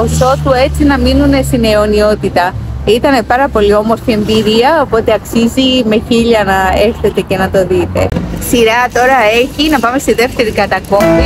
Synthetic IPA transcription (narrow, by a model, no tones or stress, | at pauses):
o̞so̞t̪ue̞t͡sinɐminune̞st̪ine̞o̞nio̞t̪it̪ɐit̪ɐne̞pɐɾɐpo̞lio̞mo̞sθie̞mbiɾiɐo̞po̞t̪eɐksizime̞çiʎɐnɐe̞xθet̪e̞ce̞nɐt̪o̞ðit̪e̞̰siɾɐt̪o̞ɾɐe̞çinɐpɐme̞st̪iðe̞ft̪e̞ɾikɐt̪ɐko̞mi